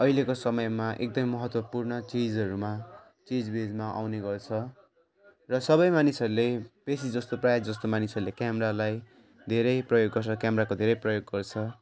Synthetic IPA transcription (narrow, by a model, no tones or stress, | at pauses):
ʌilekosʌmʌjmaʔek̚d̪ʌmimʌɦʌt̪wʌpurnʌt͡sid͡zʌɾuma | t͡sid͡zbed͡zmaʔa̰wneɡʌrt͡sʰʌ | rʌsʌbʌjmanisʌɾulepesid͡zʌst̪oprajad͡zʌst̪omanisʌɾulekjameɾalaj | d̪ʱeɾʌjprʌjoɡːʌrt͡sʰʌkjameɾakod̪ʱeɾʌjprʌjoɡːʌrt͡sʰʌ